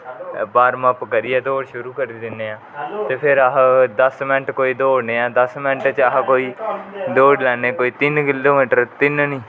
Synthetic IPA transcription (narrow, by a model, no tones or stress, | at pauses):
baːɾməpkəɾiːɛːd̪oːɽʃʊɾuːkəɾiːd̪ɪnːeːãːt̪eːpʰɪɾəɦd̪əsmɛnʈkoːiːd̪oːɽneːãːd̪əsmɛnʈt͡ʃəɦkoːiːd̪oːɽlɛːneːkoːiːt̪ɪnkɪloːmeːʈəɾt̪ɪnnĩː